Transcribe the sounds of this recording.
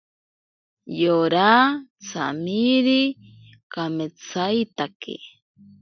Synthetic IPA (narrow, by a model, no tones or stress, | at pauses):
joɾat͡sʰa̰miɾi | kamet͡sʰajt̪akḛ